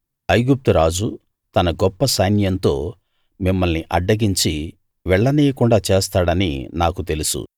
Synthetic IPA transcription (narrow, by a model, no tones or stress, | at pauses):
ɐjɡup̚t̪uɾaːd͡ʒu | t̪ɐnɐɡɔpːɐsɐjnjɐnt̪o̞ː | mimːɐlniʔɐɖːɐɡiɲt͡ʃi | ʋɛɭːɐneːjɐkuɳɖaːt͡ʃeːst̪aːɽɐnḭnaːkut̪e̞lusṵ